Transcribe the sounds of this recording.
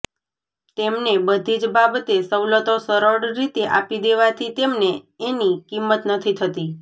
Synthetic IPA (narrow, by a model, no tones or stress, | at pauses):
t̪emnebəd̪ʱid͡ʒbabət̪esəwlət̪osəɾəɭɾit̪eʔapid̪eʋat̪ʰit̪emneː | nikimːət̪nət̪ʰit̪ʰət̪i